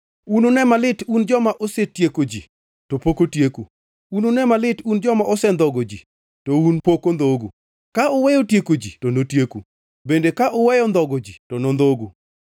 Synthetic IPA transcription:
unonɛmalɪtund͡ʒɔmaʔosetjekod͡ʒḭ | tɔpokotjeku | unonɛmalɪtund͡ʒɔmaʔosɛnd̪ɔɡod͡ʒḭ | tounpokond̪oɡu | kaɔwɛjɔtjekod͡ʒḭtonotjekṵ | bendekaʔɔwɛjɔnd̪ɔɡod͡ʒitɔnond̪oɡu

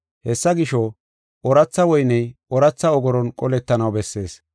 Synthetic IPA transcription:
hɛsːɐɡɪʃɔ | ʔɔɾɐt͡sːɐwɔjnɛjʔɔɾɐt͡sːɐɔɡɔɾɔnkʼɔlɛt̪ːɐnɐwbɛsːe̞ːs

